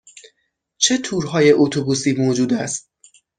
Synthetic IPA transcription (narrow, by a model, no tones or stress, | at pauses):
t͡ʃʰe̞t̪ʰuːɾɦɒːje̞ʔot̪ʰobuːsiːmoːd͡ʒuːd̪æst̪̚